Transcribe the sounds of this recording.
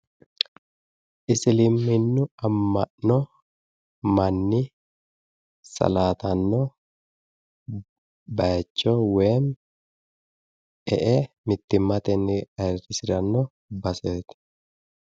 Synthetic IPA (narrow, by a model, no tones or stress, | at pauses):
ʔɪsɪlɪmːɪnːʊɐmːɐʔnɔ | mɐnːɪ | sɐ̰laːt̪ɐnːɔ | bɐjɐt͡ʃːɔweːm | ɛʔe | mɪt̪ːɪmːɐt̪ɛnːɪɐjrɪsɪd̪ɐnːɔ | bɐseːt̪